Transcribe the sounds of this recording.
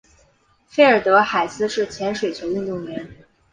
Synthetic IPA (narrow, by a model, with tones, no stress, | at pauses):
fe˥˩ɪə˞˨˩t̪ɤ˧˥xa˨˩ɪsɹ̩˥˧ʂɻ̩˥˩t͡ɕʰjɛ˧˥nʂwe˨˩ɪt͡ɕʰjo˧˥ʊy˥˧nt̪ʊ˥˩ŋɥɛ˧˥n